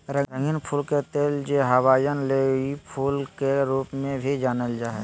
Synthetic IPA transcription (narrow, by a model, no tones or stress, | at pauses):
ɾəɾəŋɡɪnpʰuːlket̪eːld͡ʒeɦəwaːjənleːipʰuːlkeɾuːpmẽbʱid͡ʒaːnəld͡ʒaːɦɛ